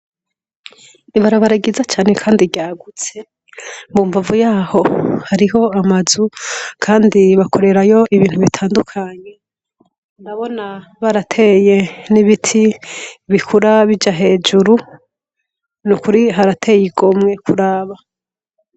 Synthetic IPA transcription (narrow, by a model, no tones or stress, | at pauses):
iβaɾaβaɾaɡizat͡ʃaːne̞kʰaːndiɟjaːɡut͡se̞ | mbuːɱvavujaːho̞haɾiɦo̞amazukʰaːndiβakʰo̞ɾe̞ɾajo̞ʔiβiːn̥huβitʰaːndukʰaɲe̞ | ndaβo̞naβaɾatʰe̞je̞niβitʰiβikʰuɾaβid͡ʒaɦe̞ːd͡ʒuɾu | nukuɾiɦaɾatʰe̞ːjiɡo̞mŋe̞kʰuɾaːβa